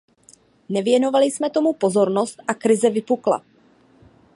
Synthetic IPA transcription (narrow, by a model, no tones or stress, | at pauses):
nɛvjɛno̞valɪsmɛt̪o̞mupo̞zo̞ɾno̞st̪ʔakɾɪzɛvɪpukla̰